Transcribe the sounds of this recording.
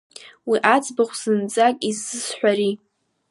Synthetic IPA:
wiʔat͡sʼbaχʷz̥ɨnt͡sʼakʲʼizːɨsħʷᶣaɾi

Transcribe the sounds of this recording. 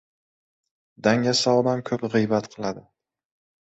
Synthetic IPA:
d̪aŋasaɒd̪ankʰɵpʁɨjbat̪qʰɨlˠad̪ɪ

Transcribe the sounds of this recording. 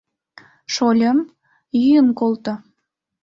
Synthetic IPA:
ʃolʲəm | jyjənkolt̪ŏ

